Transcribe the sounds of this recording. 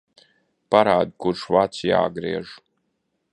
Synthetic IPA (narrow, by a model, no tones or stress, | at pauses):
paɾaːd̪kuɾʃvat̪sja̰ːɡɾḭɛʒu